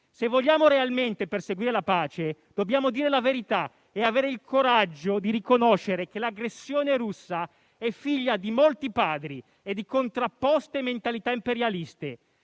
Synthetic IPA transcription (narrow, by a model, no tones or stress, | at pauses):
sevːoʎːaːmoɾealment̪eperseɡwiːɾelapaːt͡ʃed̪̥objaːmod̪iːɾelaveɾit̪a | eaveːɾeilkʰoɾad͡ʒːod̪iɾikonoʃeɾekelaɡɾesːjoːneɾusːa | ɛfːiʎːad̪imolt̪ipaːd̪ɾi | ed̪ːikont̪ɾapːɔst̪eːmːent̪alit̪aimpeɾjalist̪e